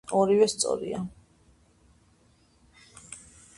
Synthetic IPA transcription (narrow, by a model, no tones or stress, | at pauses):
ɔɾivɛst̪sʼɔ̰ɾḭa